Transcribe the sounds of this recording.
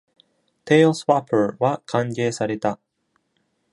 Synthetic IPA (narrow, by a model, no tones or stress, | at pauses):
t̪ʰelswapʰə˞βakʰãŋɡeːsaɾe̞t̪a